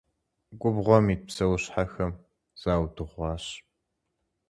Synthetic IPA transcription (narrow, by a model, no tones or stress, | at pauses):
ɡʷʊbʁʷɔmiːt̚psɐwɕħaxɐm | z̥aːwdɨʁʷɑːɕ